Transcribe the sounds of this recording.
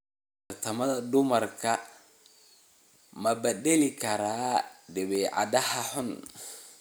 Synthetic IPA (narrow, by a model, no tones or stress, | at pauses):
ɐrt̪ʰɐmɐðɐd̪ʊmɐrkʰɐ | mɐbɛd̪ɛlɪkʰɐɾaːd̪ɛβɛːʕɑ̰d̪ɐhɐħʊn